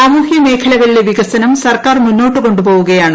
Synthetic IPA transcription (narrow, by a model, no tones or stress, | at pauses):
saːmuːhjɐme̞ːkʰɐlɐʋɐɭileʋiɣɐsɐnɐmsɐrkaːrmunːo̞ːʈːɨko̞ɳɖupoːʋuɣɐjaːɳɨ